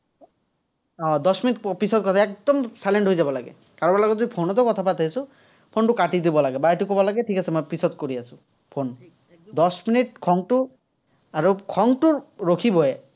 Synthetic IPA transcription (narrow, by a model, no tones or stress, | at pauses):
ɔ̃d̪ɔsminiʈpisɔt̪̚kɔt̪ʰaek̚d̪ɔmsajleɳʈɦojd͡ʒabɔlaɡḛ | kaɾɔbalakɔd͡ʒod̪ipʰonɔt̪ɔkɔt̪ʰapat̪ʰajsu | pʰonʈukaʈid̪ibɔlaɡebajʈukɔbɔlaɡeʈʰikasʰemɔjpisɔt̪̚koɾiasʰũ | pʰon | d̪ɔsminiʈ̚kʰɔŋʈu | aɾukʰɔŋʈuɾokʰibɔe